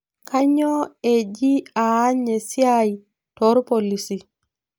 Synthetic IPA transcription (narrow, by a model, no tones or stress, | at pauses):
kaɲɔed͡ʒiaːɲɛsiaji | tɔɾpolisi